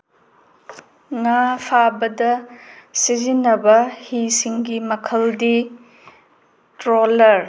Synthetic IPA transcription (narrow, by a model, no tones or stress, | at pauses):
ŋapʰabɐdɐsizinːɐbɐhisiŋɡimɐkʰɐldi | tɾolɐɾ